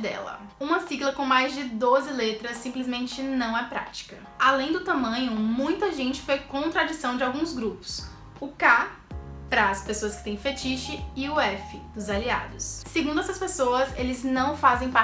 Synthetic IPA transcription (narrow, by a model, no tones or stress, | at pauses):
d̪ɛ̰lɐ̰ | ũmɐsiɡlɐkõw̃majzd͡ʒɪd̪ozɪlet̪ɾɐsːĩmplizmẽnt͡ʃɪnɐ̃w̃ɛpɾa̰t͡ʃi̥kɐ | alẽj̃d̪ʊt̪ãmɐ̃ɲʊmũj̃t̪ɐʒẽnt͡ʃɪ̥fojkõt̪ɾad͡ʒisɐ̃w̃d͡ʒɪawɡũzɡɾupʊ̥s | ʊka | pɾɐːspesoɐskɪ̥t̪ẽj̃fet͡ʃiʃɪɪʊɛfɪd̪ʊzalia̰d̪ʊsːeɡũd̪ʊɛsɐspesoɐzelɪznɐ̃w̃fazẽj̃pa